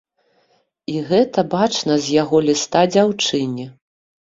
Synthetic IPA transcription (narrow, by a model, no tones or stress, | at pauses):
iɣɛt̪ɐbat͡ʂnɐzʲjaɣɔlʲist̪ad͡zʲawt͡ʂɨnʲi